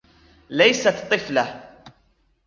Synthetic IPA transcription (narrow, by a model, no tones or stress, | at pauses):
lajsat̪t̪ˤːɨfla